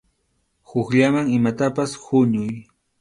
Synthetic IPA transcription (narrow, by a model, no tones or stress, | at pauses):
hʊxʎamaŋɪmat̪apashʊɲʊj